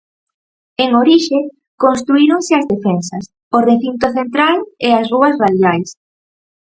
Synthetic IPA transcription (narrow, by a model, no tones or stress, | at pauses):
eŋoɾiʃe | konst̪ɾuiɾoŋsɪɐzðefensɐs | oreθint̪oθent̪ɾaleɐsruɐsraðjajs